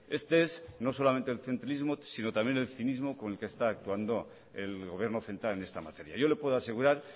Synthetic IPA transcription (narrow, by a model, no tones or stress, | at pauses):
e̞st̪ee̞szno̞so̞lamẽ̞nt̪elθe̞nt̪ɾalizmosino̞t̪ambjene̞lθinizmo̞ko̞ne̞lkest̪aːk̚t̪uand̪o̞ | e̞lɣo̞β̞je̞ɾno̞θe̞nt̪ɾale̞ne̞st̪ama̰t̪e̞ɾja̰ʝo̞le̞pwe̞ðoase̞ɣuɾaɾ